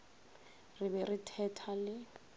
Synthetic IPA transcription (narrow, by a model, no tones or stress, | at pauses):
rɪbɛritʰɛtʰalɪ